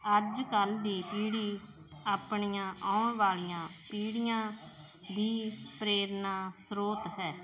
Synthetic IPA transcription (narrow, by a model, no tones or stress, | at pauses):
əd͡ʒkəld̪iːpiːɽiː | aːpɳiːjãːaːɳʋaːlijãːpiːɽijãː | d̪iːpɾeːɾnaːsɾoːt̪ɦɛː